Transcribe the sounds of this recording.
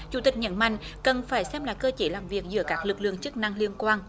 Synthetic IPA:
t͡ɕu˧˩˦t̪i˨˩k̚ɲə̰˧˦nma̰˧˨jŋ̟kə˨˩nfaː˧˩jsɛ˧mla̰ː˧˨jkəː˧t͡ɕe˨˦laː˨˩mvi˨˩ək̚zɨ̰˧˦əkaː˦˥k̚lɨ˨˩k̚lɨ̰˧˨əŋt͡ɕɨ˦˥k̚na˧ŋli˧ənkwaː˧n

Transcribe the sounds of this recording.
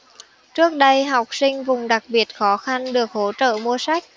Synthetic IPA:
t͡ɕɨ˦˥ək̚ɗə˧jɦa˨˩wk͡p̚sï˧ŋ̟vʊ˨˩ŋ͡mɗa˨˩k̚ɓi˨˩ət̚xɔ˨˦xa˧nɗɨ˨˩ək̚ho˨˦t͡ɕə̰ː˧˨mu˧əsa˦˥jk̟̚

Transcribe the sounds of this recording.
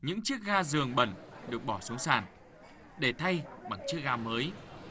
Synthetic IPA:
ɲɨ̰˧˥ŋt͡ɕɨ˦˥ək̚ɣaː˧zɨ˨˩əŋɓə̰˧˩nɗɨ˨˩ək̚ɓɔ˧˩su˨˦ŋsaː˧˩n | ɗe˧˩t̪ʰa˧jɓa˨˧˩ŋt͡ɕɨ˦˥ək̚zaː˧məː˨˦j

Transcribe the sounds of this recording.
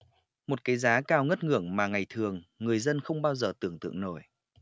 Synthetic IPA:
mo˨˩t̚kaː˨˦jzaː˨˦kaː˧wŋə˦˥t̚ŋɨ̰˧˩əŋmaː˨˩ŋa˨˩jt̪ʰɨ˨˩əŋːɨ˨˩əjzə˧nxə˧wŋ͡mɓaː˧wzəː˨˩t̪ɨ̰˧˩əŋt̪ɨ̰˧˨əŋno̰˧˩j

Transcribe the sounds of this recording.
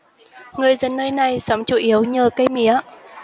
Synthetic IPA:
ŋɨ˨˩əjzə˨˩nːəː˧jna˨˩jsɔ˨˦mt͡ɕu˧˩ʔi˨˦əwɲəː˨˩kə˧jmi˨˧˦ə

